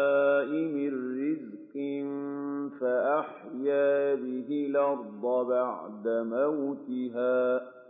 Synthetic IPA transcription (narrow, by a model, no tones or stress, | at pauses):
ʔɪmɪrːɪz | qɪnfaʔaħ | jaːbɪɦɪlɑɾd̪ˤɑbaʕd̪amawt̪ɪɦaː